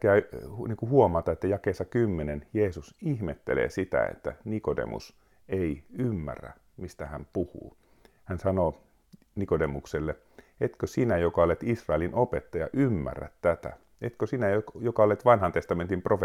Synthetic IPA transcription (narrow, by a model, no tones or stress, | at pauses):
kæyniːŋkuhuomɑt̪ɑet̪ːæjɑkeːsɑkymːenenjeːsusihmet̪ːelḛːsit̪æ̰ḛt̪ːæ̰nikodḛmṵs | eiymːæ̰rːæ̰ | mist̪æhæmpuhṵː | hænsɑno | nikodemukselːe | et̪køsinæjokɑolet̪isrɑelinopet̪ːɑjɑ̰ʔymːæ̰rːæ̰t̪t̪æt̪æ̰ | et̪køsinæjojokɑolet̪ʋɑnhɑnt̪est̪ɑment̪improfe